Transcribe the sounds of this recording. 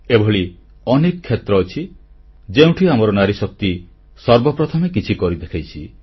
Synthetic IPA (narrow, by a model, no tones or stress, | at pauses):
ebʱɔɭi | ɔnekɔkʰːet̪ɾɔːt͡ʃʰi | d͡ʒeũʈʰiamɔɾɔnaɾisɔk̚t̪i | sɔɾbɔpɾɔt̪ʰɔmekit͡ʃʰikɔɾid̪ekʰajt͡ʃʰi